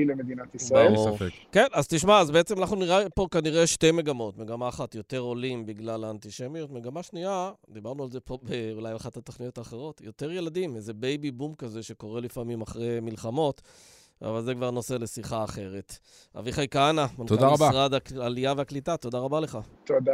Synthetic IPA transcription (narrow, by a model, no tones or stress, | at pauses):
ilemed̪inat̪isbaaeʁufekke̞nazt̪iʃ̬maazbeet͡semanaχnuniʁapo̞kaniʁeʃte̞me̞ɡamo̞tme̞ɡamaːχat̪jo̞t̪e̞ʁo̞limbiɡlalaːnt̪iʃemijot̪me̞ɡamaʃniad̪ibaʁnualze̞po̞beulajaχatat̪oχnijo̞taːχe̞ʁo̞tjo̞te̞ʁje̞ladimeze̞bejbibumkaze̞ʃeko̞ʁe̞lifamimaχʁemilχamo̞t | a̰valzekvaʁno̞sele̞siχaːχe̞ʁe̞t | a̰viχajkaanamant̪od̪aʁabaʁadakːlijaveaklitat̪o̞daʁabale̞χat̪oda